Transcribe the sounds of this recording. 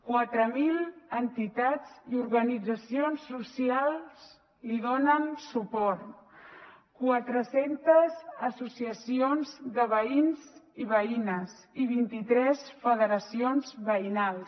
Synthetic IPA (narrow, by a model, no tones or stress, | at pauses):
kwat̪ɾəmilənt̪it̪ad͡ziuɾɣənid͡zəsionsːusialˠs | liðonənsupɔɾt̪ | kwat̪ɾəsent̪əzəsusiəsionzðəβəinziβəinəz | iβ̞int̪it̪ɾɛsfəðəɾəsionzβəinalˠs